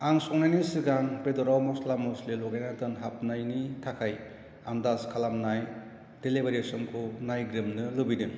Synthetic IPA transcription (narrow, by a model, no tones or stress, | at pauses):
aŋsɔŋnajnisɯɡanbedɔɾawmɔslamɔslelɔɡajnatɯnɦap̚najnitʰakʰaj | andaskʰalamnaj | d̥elebaɾesɔmkʰunajɡɾɯmnɯlɯbidɯŋ